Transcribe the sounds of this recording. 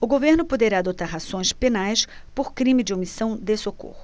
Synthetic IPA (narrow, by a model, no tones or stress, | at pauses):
ʊɡoveɾnʊpod̪eɾaːd̪ot̪aɾɦazõj̃spenajs | poɾkɾĩmɪd͡ʒɪomisɐ̃w̃d̪esoko̰hʊ